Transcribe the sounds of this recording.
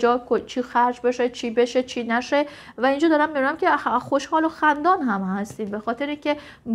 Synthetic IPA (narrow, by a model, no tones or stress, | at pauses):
d͡ʒɒːkʰot͡ʃʰiːxæɾd͡ʒbe̞ʃet͡ʃʰiːbe̞ʃet͡ʃʰiːnæʃe | væind͡ʒɒːd̪ɒːɾæmːid̪unæmcʰʲexo̞ʃhɒːloxænd̪ɒːnɦæmhæst̪iːmbe̞xɒːt̪ʰe̞ɾiːŋcʰe̞ | b